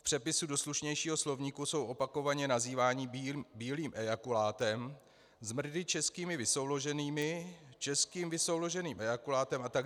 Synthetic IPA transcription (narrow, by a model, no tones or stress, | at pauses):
fpr̝̥ɛpɪsudo̞sluʃɲɛjʃiːɦo̞slo̞vɲiːkuso̞wʔo̞pako̞vaɲɛnaziːvaːɲibiːliːmʔɛakulaːt̪ɛm | zmr̩dɪt͡ʃɛskiːmɪvɪso̞wlo̞ʒɛniːmɪt͡ʃɛskiːmvɪso̞wlo̞ʒɛniːmʔɛjakulaːt̪ɛmat̪aɡ